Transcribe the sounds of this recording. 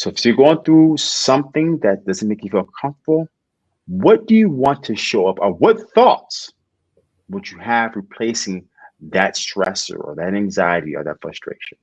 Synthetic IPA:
soʊɪfjɨɡoʊə̃nθɹusʌ̃mθɪ̃ŋðɨt̚d̥ʌznmeɪkjɨtfilˠkʰʌ̃ɱftəbl̩ˠ | wʌt̚d̥ɨjɨwɑ̃ntʰɨʃoʊʌpəwʌt̪̚θɔts | wəd͡ʒɨævɹipʰl̥eɪsɪ̃ŋ | ðɨtstɹ̥ɛ̰sə̰˞ə̰˞ðɨɾæ̃ŋzaɪɨɾḭə̰˞ðɨ̰tfɹʌ̰stɹ̥ḛɪʃə̃n

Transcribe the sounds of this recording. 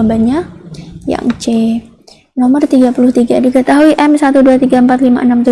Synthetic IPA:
baɲaja̰ŋt͡ʃe | nɔmərt̪iɡapulʊht̪iɡadikət̪aɦuiʔɛmsat̪uduat̪iɡaəmpat̪lima̰ʔənamt̪u

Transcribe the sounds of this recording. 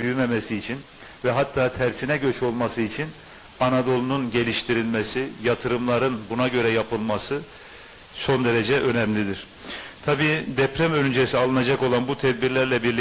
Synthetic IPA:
yjymemɛsiːt͡ʃʰin | vɛɦat̪ʰːaːt̪ʰæɾsinɛɟø̞t͡ʃʰo̞lˠmasɯit͡ʃʰin | anad̪o̞lˠununɟe̞lʲiʃt̪ʰiɾilʲmesijat̪ʰɯɾɯmlˠaɾɯnbunaɟø̞ɾɛjapɯlˠmasɯ | so̞nd̪eɾed͡ʒɛʔø̞nɛmlʲid̪iɾ̥ | t̪ʰabiːd̪ɛpɾɛmønynd͡ʒesialˠɯnad͡ʒako̞lˠanbut̪ʰɛd̪̚biɾlʲæɾlʲɛbiɾlʲi

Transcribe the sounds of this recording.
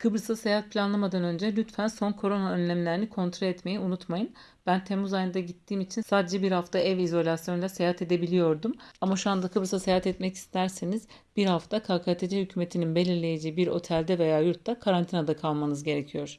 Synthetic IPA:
kʰɯbɾɯsasejaht̪̚pʰʲlʲanlˠamad̪anø̞nd͡ʒɛlʲyt̪fænso̞nkʰo̞ɾo̞naønlʲæmlʲeinikʰo̞nt̪ɾolʲɛt̪me̞jiunut̪majɯn | b̥ænt̪ʰemuzajɯnd̪aɟit̪ʰːiːmit͡ʃʰinsaːd̪e̞d͡ʒɛbiɾhaft̪ʰaʔɛvizo̞lʲasjo̞nlʲasejaɦat̪ʰe̞d̪e̞bilʲijo̞ɾd̪umamaʃuand̪akʰɯbɾɯsasejaat̪ɛt̪mɛci̥st̪ʰæɾseniz | biɾhaft̪ʰakʰakʰaːt̪ʰed͡ʒɛhycʰyːme̞t̪ʰininbelʲiɾlʲe̞jed͡ʒiːibiɾo̞̰t̪ʰælʲd̪ɛve̞jaːjuɾt̪ːakʰaɾant̪ʰinad̪akʰalˠmanɯzɟe̞ɾe̞cʰijo̞ɾ̥

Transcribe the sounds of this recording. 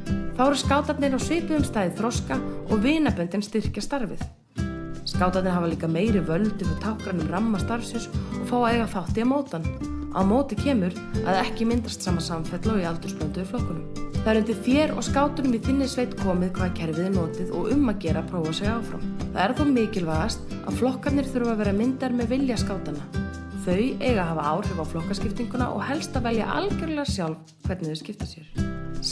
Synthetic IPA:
θawɾ̥skaːwt̪at̪nɪɾawsvɪːpʏðʏmst̪aːjðɪθɾɔwskaɔɣvɪːnapœnt̪ɪnst̪ɪr̥cast̪aɾvɪ̰ð | skaːwt̪at̪nɪɾɦavaliːkameːjɾɪvœlt̪ʏfɪt̪ʰawhkɾanʏmramːast̪aɾfsɪnsɔɣfaːwaeːɣaθawht̪ɪamoːwt̪anːa̰wmoːwt̪ɪcʰɛːmʏɾ | a̰ðɛhcɪmɪnt̪ḁst̪saːmasamfɛt̪laɔialt̪ʏ̥ɾspœnt̪ʏvɪɾflowhkːʏnʏmθaðɛɾʏnt̪ɪθjɛːɾɔ̰ɣskaːwt̪ʏnmvɪðθɪnːɪsveːjt̪kʰɔːmɪðkʰv̥aːðcʰɛɾvɪðɪnoːt̪ɪðɔ̰ɣʏmːacɛːɾapʰɾoːwvasɛɣaːwfɾa̰mθaðɛɾ̥θomɪːcɪlvaːɣast̪ | a̰ðflɔhkat̪nɪɾ̥θʏɾʏvavɛːɾamɪnt̪aɾmɛðvɪljaskaːwt̪anːa | θœɥjeːjɣaɦaːvaaːwr̥ɪvawflɔhkascɪft̪iŋkʏna̰ʔɔ̰ɣhɛlst̪avɛlja̰ʔa̰lcɛɾlɛɣasjawlv | kʰv̥ɛɾt̪nɪðɪɾscɪft̪ḁsjɛɾ̥

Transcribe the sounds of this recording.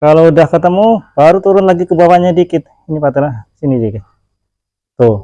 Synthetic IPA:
kalodahkət̪əmub̥aɾut̪uɾʊnlaɡikəbawaɲadikɪt̪̚ | inipat̪əɾasinidikɪt̪̚ | t̪o

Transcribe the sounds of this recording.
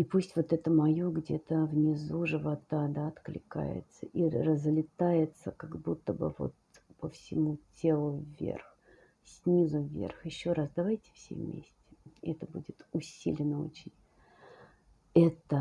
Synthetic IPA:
ipusʲtʲvo̞t̪ɛt̪əmɐjoɡdʲḛt̪əvnʲɪzuʐɨvɐt̪ad̪aɐt̪klʲɪ̰ka̰jɪ̰t̪səʔirəzlʲɪt̪ajɪt̪səkaɡbut̪ːəbə̰vo̞̰t̪pəfsʲɪmutʲʰe̞lˠʊvʲːḛrx | sʲnʲizʊvʲːḛrxjɪɕːo̞ɾasd̪ɐvajtʲɪ̥fsʲḛvmʲḛsʲtʲɪ̥ɛt̪əbudʲɪt̪ʊsʲḭlʲɪnəo̰t͡ɕɪnʲ | ɛt̪ə

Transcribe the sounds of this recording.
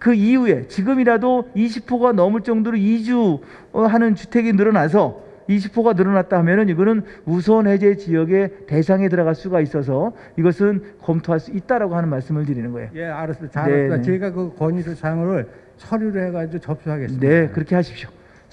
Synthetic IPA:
kɯiue̞t͡ɕiɡɯmiɾadoiɕ̬ʰipʰoɡanʌmuɭt͡ɕ͈ʌŋdoɾoid͡ʑu | ɦanɯnt͡ɕutʰe̞ɡinɯɾʌnas̬ʰʌ | iɕ̬ʰipʰoɡanɯɾʌnat̚t͈aɦamjʌnɯniɡʌnɯnusʰʌnhe̞d͡ʑe̞t͡ɕiʌɡe̞te̞s̬ʰaŋe̞tɯɾʌɣaɭs͈uɡais͈ʌs̬ʰʌ | iɡʌsʰɯnkʌmtʰoɦaɭs͈uit̚t͈aɾaɡoɦanɯnmaɭs͈ɯmɯɭt̬ɯɾinɯnɡʌejojeaɾɯsmdaneaeɡakɯkʌɲidot͡ɕaŋɯɾɯɭ | t͡ɕʰʌɾjuɾɯheɡad͡ʑiɡot͡ɕʌp̚s͈ʰuɦaɡesne̞kɯɾʌkʰe̞ɦaɕʰi̥p̚ɕ͈jo̥

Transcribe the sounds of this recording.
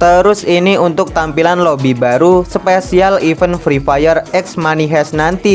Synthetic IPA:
t̪əɾʊsiniunt̪ʊk̚t̪ampilanlobibaɾusəpesialifənfɾifajərɛksmaniɦɛsnant̪i

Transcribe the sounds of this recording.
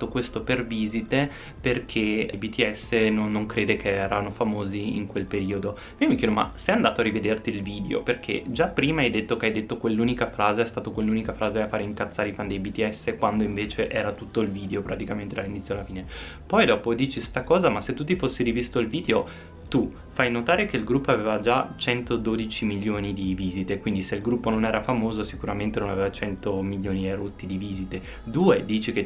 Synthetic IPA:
t̪okwest̪operviːzit̪e | perkʰejbit̪iɛsːenonːoŋkɾeːd̪ekʰeɛːɾanofamoːziḭŋkwelpeɾiːod̪o | miomikjɛːd̪oma̰sɛjand̪aːt̪oarːived̪ert̪iːlviːd̪eo̰perkʰḛd͡ʒapːɾiːmaajd̪et̪ːokeajd̪et̪ːokwelːuːnikafɾaːzeɛst̪aːt̪okwelːuːnikafɾaːzeafaːɾeiŋkat̪sːaːɾeifand̪ejbit̪iɛsːekwand̪oiɱveːt͡ʃeʔɛːɾat̪ut̪ːoilviːd̪eopɾʔat̪ikament̪ed̪alːinit̪sjoalafiːne | pɔjd̪ɔːpod̪iːt͡ʃist̪akɔːzamasːet̪ːut̪̬ːifosːiɾivist̪oilviːd̪eo | t̪u | fajnot̪aːɾekeilɡɾupːoaveːvad͡ʒat͡ʃɛnt̪od̪oːd̪it͡ʃimilːoːnid̪iviːzit̪ekwind̪iseilɡɾupːononɛːɾafamoːzosikuɾament̪enona̰veːvat͡ʃɛnt̪omiljoːniɛɾot̪ːid̪iviːzit̪e | d̪uːed̪iːt͡ʃike

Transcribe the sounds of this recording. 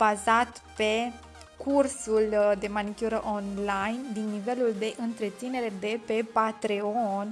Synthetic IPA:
b̥azat̪pe̞ | kʰursuld̪e̞manikʲjuɾəʔonlajnd̪inːive̞luld̪e̞ʔɨnt̪ɾe̞t̪sine̞ɾe̞d̪e̞pe̞pat̪ɾeon

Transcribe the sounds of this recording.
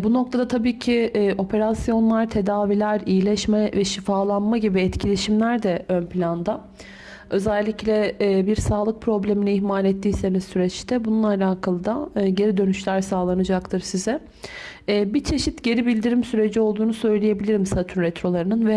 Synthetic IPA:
buno̞kt̪ʰad̪at̪ʰabiːcʰio̞pʰe̞ɾasjo̞nlˠaɾt̪ʰe̞d̪aːvilʲæɾijilʲɛʃmɛvɛʃifaːlˠanmaɟibiɛt̪cʰilʲeʃimlʲæɾd̪ɛønpʰlʲand̪a | ø̞zɛlʲːiclʲɛbiɾsaːlˠɯk̚pʰɾo̞blʲe̞miniːçmaːlʲɛt̪ːiːse̞nizsyɾɛt͡ʃt̪ʰɛbununˠalʲaːkʰalˠɯd̪aɟe̞ɾid̪ø̞nyʃlʲæɾsaːlˠanɯd͡ʒakt̪ʰɯɾsizɛː | bit͡ʃʰe̞ʃit̪ɟe̞ɾibilʲd̪iɾimsyɾe̞d͡ʒio̞lˠd̪uːnusø̞jlʲejebilʲiɾimsat̪ʰunɾɛt̪ʰɾo̞lˠaɾɯnɯnvɛ

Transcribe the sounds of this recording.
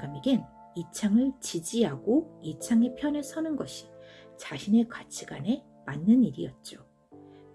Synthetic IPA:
ɡamiɡɯn | it͡ɕʰaŋɯɭt͡ɕid͡ʑiɦaɡoit͡ɕʰaŋe̞pʰjʌnɯɭsʰʌnɯnɡʌɕʰi̥t͡ɕaɕʰine̞kwat͡ɕʰiɡane̞ | manːɯniɾijʌt̚t͡ɕ͈o

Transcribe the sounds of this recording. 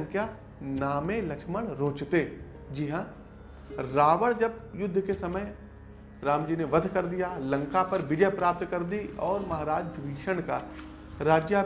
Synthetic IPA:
ŋkja | naːmelɐkʃməɽɾõːt͡ʃt̪e | d͡ʒiɦã | ɾaːʋəɽd͡ʒɐb̚jʊd̪ʱːkesɐməj | ɾaːmd͡ʒiːneʋɐd̪ʱkɐɾd̪ijalɐ̃ŋkapɐɾʋɪd͡ʒəjpɾaːp̚t̪kɐɾd̪iɔːɾmɐɦaːɾaːd͡ʒɡʋiːʃəɽ̃ka | ɾaːd͡ʒja

